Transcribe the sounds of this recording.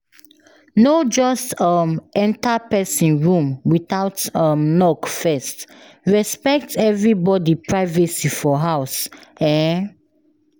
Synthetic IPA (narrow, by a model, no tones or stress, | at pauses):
nod͡ʒɔstʌ̃mɛ̃ntapɛsĩnɹũmwitaʊtʌ̃mnɔkfɛst | ɹɛspɛk̚tɛvɹibɔdipɹaɪvəsifɔɦaʊsɛ̃n